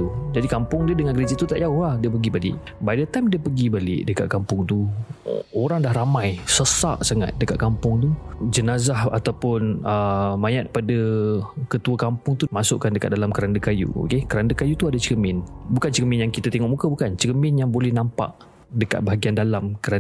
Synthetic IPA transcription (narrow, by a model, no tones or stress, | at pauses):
t̪ud͡ʒadikampʊŋdiədəŋankɾed͡ʒat̪ut̪aʔjauhahdiəpəɡibalɪ̰ʔ | badət̪amdiəpəɡibalɪ̰ʔdəka̰t̪̚kampʊŋt̪u | oɾaŋdahɾamãjsəsa̰ʔsaŋa̰t̪̚dəkat̪̚kampʊŋt̪ud͡ʒənazaha̰t̪awpʊnəmãjat̪̚padakət̪uakampʊŋt̪umasʊʔkandəkat̪̚dalamkəɾandəkajṵo̰kekəɾandəkajut̪uadat͡ʃəkəmɪnbukant͡ʃəəmɪnjaŋkit̪at̪eŋɔʔmukəbukant͡ʃəkəmɪnjaŋbolɛhnampa̰ʔ | dəka̰t̪̚baɦaɡiandalamkəɾa